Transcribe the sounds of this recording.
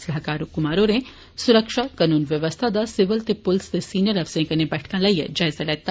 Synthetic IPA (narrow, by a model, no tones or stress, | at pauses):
sɐɦkaːɾokʊmaːɾoɾẽ | sʊɾəkʃakɐnuːnʋjɐʋəst̪ʰad̪asɪʋəlt̪epʊlst̪esiːnjəɾɐʋsẽkɐnẽbɛʈʰkãlɐjjə̰d͡ʒaːɪzalɛːt̪ːa